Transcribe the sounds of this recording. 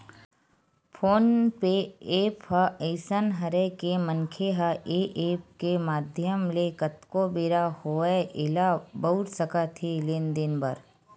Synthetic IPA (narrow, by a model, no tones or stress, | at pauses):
pʰoːnpeeːpɦəeɪsənɦɐɾekeməŋkʰeɦəʔeːʔeːp̚kemaːd̪ʱjəmlekət̪kobeːɾahoːeʔɪlabəʊɾsəkat̪ʰelɪnd̪ɪnbəɾ